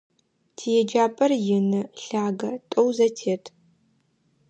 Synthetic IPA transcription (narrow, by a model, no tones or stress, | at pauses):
tʰijɛd͡ʒaːpʼɐrjɪnɨɬaːɡɐtʼowzɐtʰeːtʰ